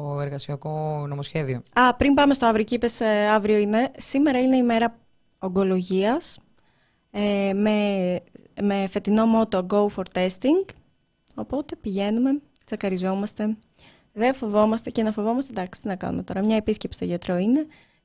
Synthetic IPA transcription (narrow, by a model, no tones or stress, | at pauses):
oeɾɣɐsiɐkonomosçeðioɐpɾimbɐme̞st̪oɐvɾio̞cipesɐvɾio̞ine̞simeɾɐine̞ime̞ɾɐ | o̞ɡo̞lo̞ʝiɐs | eme | mefe̞t̪ino̞mo̞t̪oɡoufo̞ɾt̪e̞st̪iŋɡ | o̞po̞t̪e̞piʝe̞nume̞ | t͡sɐkɐɾizo̞mɐst̪e̞ | ðefo̞vo̞mɐst̪e̞cenɐfo̞vo̞mɐst̪ed̪ɐksi̥t̪inɐkɐ̰nṵme̞t̪o̞ɾɐmɲɐepiscepsi̥t̪oʝɐt̪ɾo̞ine̞